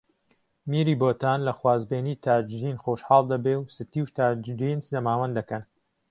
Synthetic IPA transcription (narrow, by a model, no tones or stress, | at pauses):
miɾiːboːt̪aːnlɐxwaːzbeːniːt̪ʰaːd͡ʒd̪iːnxoːʃħɑːlˠd̪ɐbewsɨt̪iːwʃt̪aːd͡ʒd̪iːnzlɐmaːwɐnd̪d̪ɐkɐn